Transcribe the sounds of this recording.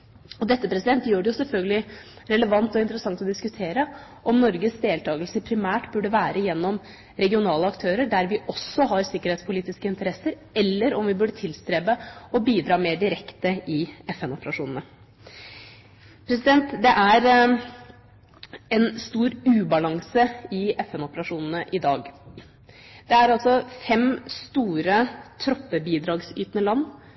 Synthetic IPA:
ɔd̪ɛt̪ːəpɾɛsɪd̪ɛnt̪jøːɖɛjʊsɛlfœlɡəlɪ | ɾɛləʋɑnt̪ɔɪnt̪əɾəsɑŋt̪ɔd̪ɪskʉt̪ʰeːɾə | ʔɔmnɔɾɡəsd̪eːlt̪ʰɑːɡəlsəpʰɾɪmæːʈbʉɖəʋæːɾʔəjɛnːɔm | ɾɛɡɪʊnɑːləɑkt̪ʰøːɾəɖæɾʋɪʔɔsːɔɦɑɾsɪkəɾheːt̪spʰʊliːt̪ɪskəɪnt̪əɾɛsəɾ | ɛlːəɾɔmʋɪbʉɖət̪ʰɪlst̪ɾeːbəɔbiːd̪ɾɑːmeːɖɪɾɛkt̪əɪɛfɛnʊpəɾɑʂuːnən̩ə | pʰɾɛs̬ɪd̪ɛnt̪d̪ɛʔæɾ | ɛnst̪uːɾʉːbɑlɑŋsəɪɛfɛnɔpəɾɑʂuːnn̩əʔɪd̪ɑːɡ | d̪̥ɛæɾɑlsɔfɛmst̪uːɾət̪ʰɾɔpːəbiːd̪ɾɑːɡsy̰ːt̪nəlɑnː

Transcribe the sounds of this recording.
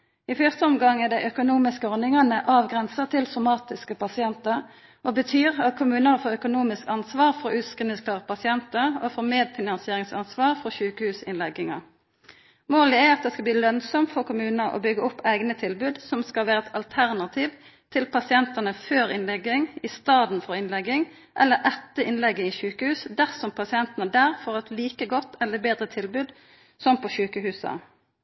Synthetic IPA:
ɪfœst̪əɔmɡɑŋːəd̪ɛɪʔœkʊnuːmɪskəɔʁnɪŋənəʔɑːʋɡʁɛnsət̪ʰɪlsʊmɑːt̪ɪskəpʰɑsɪɛnt̪əʁ | ɔbət̪ʰyːʁɑt̪̚kʰʊmʉːnəʁfoːœkʊnuːmɪskɑnsʋɑːʁfɔʔʉːskənɪskʰlɑːʁpʰɑsɪɛnt̪əɾɔfoːmeːd̪fɪnɑnsɪeːʁɪŋsɑ̰nsʋɑːʁfɔçʉːkəhʉːsɪ̰nlɛɡɪŋɑ̰ʁ | moːləæɑt̪̚d̪ɛːskɑbliːlœnsɔmfɔkʊmʉːnəʔo̰bʏɡəʊpːæɪɡnət̪ʰɪlbʉːd̪sɔmskɑlʋæːɾəɛt̪ʰɑlt̪ʰæʁnɑt̪ʰiːʋ | t̪ʰɪlpʰɑsɪɛnt̪ənəføːɾɪnlɛɡɪŋist̪ɑːd̪n̩fɔʁɪnlɛɡːɪŋ | ʔɛlːəʔɛt̪ːəʔɪnlɛɡːəiːçʉːkəhʉːsd̪æʁsɔmpʰɑsɪɛnt̪ənəd̪æːʁfɔʁɛt̪liːkəɡɔt̪ːɛlːəbeːd̪ʁət̪ʰɪlbʉːd̪ | sɔmpɔʃʉːkəhʉːsə̰

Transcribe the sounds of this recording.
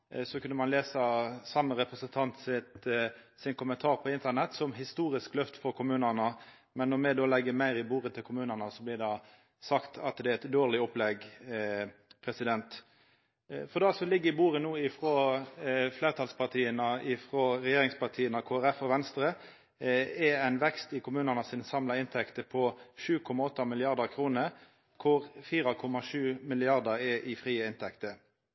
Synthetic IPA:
sɔkʰʉnːəmɑnleːsɑsɑmːəɾɛpɾəsənt̪ʰɑnt̪sɪt̪sɪnkʰʊmənt̪ʰɑːʁpʰɔɪnt̪ənɛt̪sɔmɦɪst̪uːɾɪsklœft̪fɔɾkʰʊmʉːnənə | mɛnːɔmɛd̪oːlɛɡəmæɪɾɪbuːʁət̪ʰɪlkʰʊmʉːnənəsɔblɪd̪ɑː | sɑkt̪ʰɑt̪d̪ɛæɛt̪d̪oːʁlɪɔplɛɡ | pʰɾɛsɪd̪ɛnt̪ | fɔʁd̪ɑsɔlɪɡːəɪbuːɾənuːɪfɾɔ | fleːʁt̪ʰɑlspʰɑʁt̪ʰiːənəʔɪfɾɔːɾɛjeːɾɪŋspɑʁt̪ʰiːənɑkʰoːæʁɛfɔʋɛnst̪ɾə | ɛæɪnʋɛkst̪ɪkʰʊmʉːnɑnəsɪnsɑmlɑɪnt̪ʰɛkt̪əpʰɔʂʉːkʰɔmɑɔt̪ːɑmɪlɪɑʁd̪əʁkʰɾuːnə | kʰʊʁfiːɾɑkʰɔmɑʂʉːmɪlɪɑʁd̪ɑʁɛʔɪfʁiːəɪnt̪ʰɛkt̪ə

